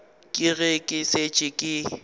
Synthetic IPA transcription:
kʼɪɣekʼɪset͡ʃʼɪkʼɪ

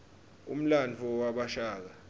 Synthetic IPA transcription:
ṵm̩lant͡fʰɔwaɓaʃaːk̬a

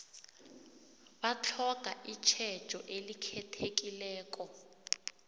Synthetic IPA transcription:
bat͡ɬʰɔkʼaʔit͡ʃʰɛ̥ʒ̥ʱɔʔelikʰɛtʰek̬ʼilɛːkʼɔ

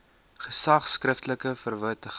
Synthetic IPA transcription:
χəsɐχskrəftələkəfərvœɥtəχ

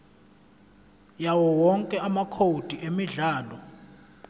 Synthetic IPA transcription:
jawɔwɔŋkʼɛamakʰod̥ʱiʔemiɮaːlɔ

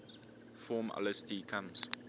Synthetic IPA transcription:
fɔːmɔ̰ləstikʰãms

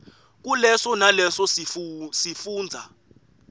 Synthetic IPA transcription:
k̬ʼulɛsɔnalɛsɔsisifuːnd͡zʱa̰

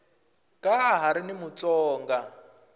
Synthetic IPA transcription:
kʼaːɦaɾinimut͡sʼɔːŋɡa

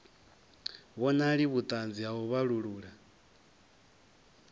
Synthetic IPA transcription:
βɔnaɺiβut̪ʼand͡ziaɦɔβaɺuɺuːɺa

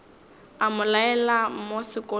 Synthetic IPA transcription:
amʊlaɛlamosɪkʼɔ

